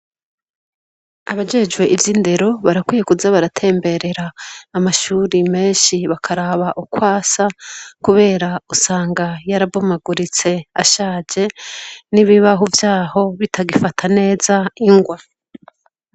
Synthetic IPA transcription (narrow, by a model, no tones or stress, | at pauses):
aβad͡ʒe̞d͡ʒwe̞ʔivjinde̞ɾo̞βaɾakwiːje̞kuzaβaɾatʰe̞ːmbe̞ɾe̞ɾaːmaʃuːɾime̞ːnʃiβakʰaɾaβaʔukwaːsakuβe̞ːɾausaːŋɡajaɾabomaɡuɾit͡se̞a̰ʃaːd͡ʒe̞niβiβaɦuvjaːho̞βitʰaɡifatʰane̞ːzaiŋɡwa